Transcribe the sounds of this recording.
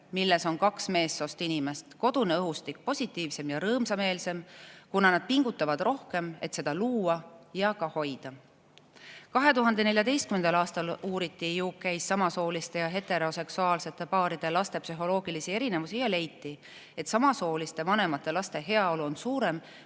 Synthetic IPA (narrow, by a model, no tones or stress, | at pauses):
milːe̞so̞nkɑksme̞ːsːo̞st̪inime̞st̪ko̞d̪̥uneɤɦust̪ik̚ːpo̞sʲit̪ːˑiːvse̞mjɑɾɤːmsɑme̞ːlse̞mkunɑnɑd̪̥̚piŋɡ̥ut̪ːˑɑvɑd̪̥ro̞hke̞me̞t̪se̞d̪̥ɑluːɑjɑkɑho̞jd̪̥ɑ | kɑɦe̞t̪uɦɑnd̪ene̞lʲjɑd̪e̞jst̪kymend̪ɑlɑːst̪ɑluːɾit̪ˑːijuːkːæjsːɑmɑso̞ːlist̪e̞jɑɦe̞t̪ːˑe̞ɾo̞se̞ksuɑːlse̞t̪ːˑe̞pɑːɾid̪̥e̞lɑst̪e̞psyɦo̞lo̞ːɡ̥ilisie̞ɾine̞vusijɑle̞jt̪ːˑi | e̞t̪sɑmɑso̞ːlist̪e̞vɑne̞mɑt̪ːˑe̞lɑst̪e̞ɦe̞ɑo̞luo̞nsuːɾe̞m